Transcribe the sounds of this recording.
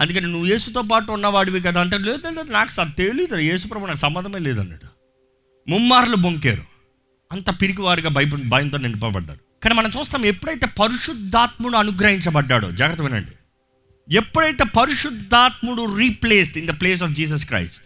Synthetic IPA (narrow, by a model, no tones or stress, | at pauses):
ɐnd̪ukɐnenuʋːuje̞ːsut̪oːp̬aːʈuːnːɐʋaːɽiʋik̬ɐd̪aːɳʈ̬ɐle̞ːd̪ɐleːd̪unaːku̥sɐt̪eɭid̪uje̞ːs̬upɾɐbnaːkɐsɐmːɐd̪ʱɐmeːle̞ːd̪ɐ̰nːɐʈu̥ | mumːaːɾluboŋkḛːɾṵ | ɐnt̪ɐpiɾik̬iʋaːɾiɡaːbɐjɐpbɐjɐnt̪̬oːneɳɖipɐbɐ̰ɖːa̰ːɽukaːniːmɐnɐmt͡ʃuːst̪aːmepːuɽɐjt̪e̞ːpɐɾuʂud̪ʱːaːt̪̚muɽuɐnuɡɾɐɦiɲt͡ʃɐbɐɖːa̰ːɽṵd͡ʒɐɡɾt̪ːɐʋɐnɐ̰ɳɖḭ | epːuɽɐjt̪e̞ːpɐɾuʂud̪ʱːaːt̪̚muɽuɾiːpleːsʈind̪ɐpleːs̬ɔːfd͡ʒiːs̬ɐs̬kɾɐ̰jsʈ̚